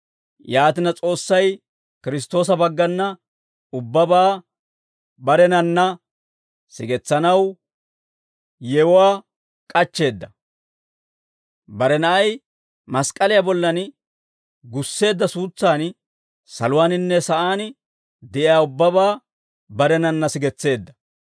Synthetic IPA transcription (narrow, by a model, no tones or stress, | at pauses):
jaːt̪ɪnɐt͡sʼo̞ːsːɐj | kɪɾɪs̬t̪ːo̞ːs̬ɐbɐɡːɐnːɐ | ʊbːɐbaː | bɐɾɛnɐnːɐ | sɪ̰ɡɛt͡sːɐnɐw | jɛwʊwaː | kʼɐt͡ʃːe̞ːd̪ːɐ | bɐɾɛnɐʔɐj | mɐskʼɐlɪjabɔlːɐn | ɡʊsːe̞ːd̪ːɐsuːt͡sːaːn | sɐ̰lʊwaːnɪnːɛsɐʔaːn | d̪ɛʔɪjaːʊbːɐbaː | bɐɾɛnɐnːɐsɪɡɛt͡sːe̞ːd̪ːɐ̥